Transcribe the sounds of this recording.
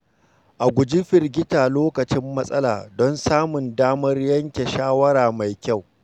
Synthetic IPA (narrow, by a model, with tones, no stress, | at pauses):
ʔa˨ɡʷʊ˨d͡ʒɪ˦ɸɪ˨rɡʲɪ˦taː˨loː˦kɐ˨t͡ʃɪ˦mːɐ˦sʼɐ˦la̰ː˨dɔ˦nsaː˦mʊ˨ndaː˦mɐ˦rjɐ˦ŋkʲe˨ʃaː˦wɐ˦ɾaː˨ma˨jkʲa˦˨w